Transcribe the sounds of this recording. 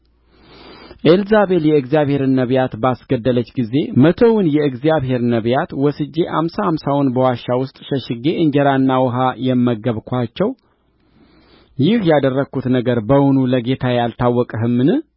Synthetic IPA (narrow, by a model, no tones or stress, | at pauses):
ʔelzaβe̞ljɛɨɡzijaβhe̞ɾɨnːəβjat̪basɡəd̪ːələt͡ʃːɡize̞mət̪ʰəwʊnjɛɨɡzijaβɦe̞ɾnəβjat̪wɔsɨd͡ʒːe̞ʔa̰msahamsawʊnbəwaʃːawʊst̪ʼʃəʃɪɡeʔɨɲd͡ʒɛɾanːawɔɦajɛmːəɡːəβkʷʰat͡ʃːɛw | jɪhjad̪ərːəɡʰut̪nəɡəɾbəwunuləɡe̞t̪ʰajalt̪ʰawːɔkʼəɦɨmːɨnɨ